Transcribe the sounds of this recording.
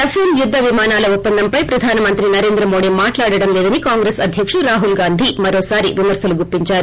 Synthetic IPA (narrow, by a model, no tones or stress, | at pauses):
epʰemjud̪ːɐʋimaːnaːlɐupːɐnd̪ɐmpɐjpɾɐd̪ʱaːnɐmɐnt̪ɾinɐɾe̞ːnd̪ɾɐmoːɽimaːʈlaːɽɐɽɐmlɛːd̪ɐnikaːŋɡɾeːsɐd̪ʱjɐkʂɐɾaːɦulɡaːnd̪ʱimɐɾoːsaːɾiʋimɐɾsɐluɡuɾpːiɲt͡ʃaːɾu